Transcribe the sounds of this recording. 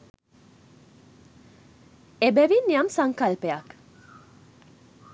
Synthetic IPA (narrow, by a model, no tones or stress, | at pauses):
ebæʋinːijamsaŋkalpeak